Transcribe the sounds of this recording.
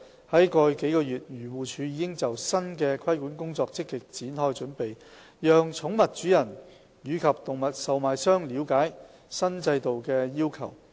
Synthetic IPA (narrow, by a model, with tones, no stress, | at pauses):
hɐ˨˥jkɔː˧jke˨˥jkɔː˧jyː˨˩t̚jyː˨˩wuː˨t͡ʃʰyː˨˧ji˨˧˥kɪ˥ŋt͡sɐ˨wsɐ˥nkɛː˧kʰɐ˥jkuː˨˥nkʊ˥ŋt͡sɔː˧k̚t͡sɪ˥kːɪ˨k̚t͡siː˨˥nhɔː˥jt͡ʃɵ˨˥npe˨j | jœː˨ŋt͡sʰʊ˨˥ŋmɐ˨t̚t͡ʃyː˨˥jɐ˨˩n | jyː˨˧kʰɐ˨p̚t̪ʊ˨ŋmɐ˨t̚sɐ˨wmaː˨jsœː˥ŋliː˨˧˥wkaː˨˥j | sɐ˥nt͡sɐ˧jt̪o˨wkɛː˧jiː˥wkʰɐ˨˩w